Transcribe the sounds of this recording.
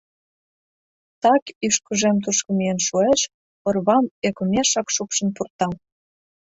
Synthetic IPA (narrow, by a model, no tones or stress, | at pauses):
t̪ɑkyʃkəʒemt̪̬uʃkə̆mijenʃueʃ | pŏrβɑmekomʲeʃɑkʃupʃə̆npurt̪ɑl